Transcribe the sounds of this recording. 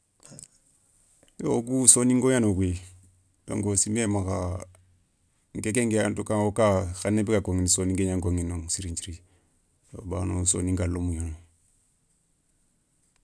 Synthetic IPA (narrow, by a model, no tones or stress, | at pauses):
jokusonĩŋɡoanokwi | do̰ŋɡosimemaka | ŋkekeŋɡeantukaŋokaxanebikakoŋinisonĩŋɡeɲãŋkoŋinoŋsiɾiɲt͡ʃiɾi | jo̰banoso̰nĩŋɡalomuɲono